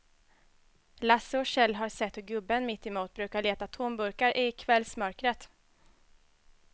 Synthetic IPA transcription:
lasːəɔɕɛlːɦaɾsɛt̪ːɔɡɵbːənmɪt̪ːɪmuːt̪̚bɾʉ̟ːkaɭeːt̪at̪ʰʊmbɵɾkaɾʔɪkʰvɛlːsmœɾkɾət̪

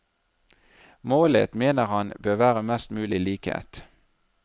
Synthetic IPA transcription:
moːlə̰t̪meːnəʁhɑnbøːʁʋæːʁəmɛst̪mʉːlɪliːkhḛːt̪

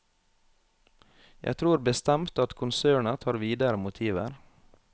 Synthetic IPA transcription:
jæ̰ɪt̪ʰɾuːɾbəst̪ɛmt̪ɑt̪kʰʊnsøːɳət̪ʰɑːɾʋiːd̪əɾəmʊt̪ʰiːʋə̰ɾ

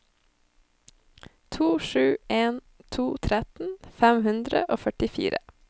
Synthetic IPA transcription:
t̪ʰuːʃʉːeːn | t̪ʰuːt̪ʰɾɛt̪n̩fæmhʉnd̪ɾə̰ʔoːfœʈɪfḭːɾə

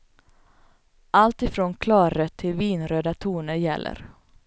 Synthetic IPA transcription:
ʔalt̪ɪfɾoːnkʰlɑːɾœt̪ʰːɪlviːnɾøːd̪at̪ʰuːnəɾjɛ̰lːʔə̰ɾ

